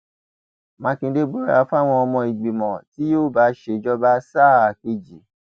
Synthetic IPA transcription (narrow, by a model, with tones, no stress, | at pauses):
mã˨˧˦kĩ˧˦de˦ɡ͡bo˦ɾa˧fa˦˨w̃ɔ̃˧ɔ˧mɔ̃˧i˨ɡ͡bi˨mɔ̃˨ti˨˦joː˦˨ba˨˦ʃe˧˦˨d͡ʒɔ˦ba˦sa˦˨a˨ke˧d͡ʒi˨˦